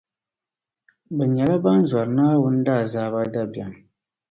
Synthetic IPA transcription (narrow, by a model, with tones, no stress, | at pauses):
bɛ˨ɲɛ˨la˦ba˦n˦zwa˨ɾnaː˦wʊ˦n̩˦daː˦˨zaː˨˦˨ba˦da˦ba̰˨ŋ